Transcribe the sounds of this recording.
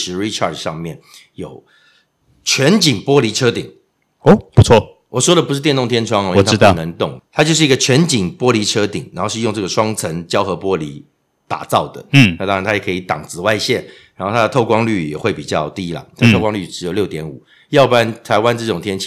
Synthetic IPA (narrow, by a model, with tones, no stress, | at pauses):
ʂɻ̩˧˥ɹi˧˥ʈ͡ʂʰɑ̰˥˩dʂɑ̰˥˧ŋmjɛ˥˩n | jo˨˩ʊ | t͡ɕʰɥɛ˧˦˥nt͡ɕi˨˩ŋpwɔ˥li˧˥ʈ͡ʂʰɤ˥t̪i˨˩ŋ | o˥˩pu˧˥t͡sʰwɔ˥˩ | wɔ˨˩ʂwɔ˥d̪ə˨p̬u˥ʂɻ̩̬˥˧jnt̪ŋt̪ʰjɛ˥nʈ͡ʂʰwɑ˥ŋ˨˥wɔ˨˧˥t̪nə˧˦ŋt̪ʊ˥˩ŋt̪ʰa˥t͡ɕjo˥˧ʊʂ̬ɻ̩˩˧˥ɡə˨t͡ɕʰɥɛ˧˥nt͡ɕi˨˩ŋpwɔ˥li˧˥ʈ͡ʂʰɤ˥t̪i˨˩ŋɻa̰˧˥nxo˥˧ʊʂɻ̩˧jʊ˥˧ŋʈ͡ʂɤ˥˩ə˩ʂwɑ˥ŋt͡sʰə˧˥ŋt͡ɕjɑ˥ʊxɤ˧˥pwɔ˥li˧˥ | t̪a̰˨˩t͡sɑ˥˩ʊd̪ə̰˩˥˩na˥˩t̪ɑ˥ŋɻa˧˦nt̪ʰa˥jɛ˨˩kʰi˧˥t̪ɑ̰˨˩ŋt͡sɹ̩˨˩wa˥˧ɪɕjɛ˥˩nɻa˨˧n˥xo˥˩a˥ə˨t̪ʰo˥˩ʊkwɑ˥ŋly˥˩jɛ̰˨˩xwe˥˩ɪpi˨˩t͡ɕjɑ˥˩ʊt̪i˦˥lə̰˨t̪ʰa˥ət̪ʰkwɑ˥ŋly˥˩ʈ͡ʂɻ̩˧˥jo˨˩ʊljo˥˩ʊt̪jɛ˧˥nṵ˨˩ | jɑ˥˩ʊpa˥nt̪ʰa˧˥ɪwa˥nʈ͡ʂɤ˥˩ʈ͡ʂʊ˨˩ŋt̪ʰjɛ˥nt͡ɕʰ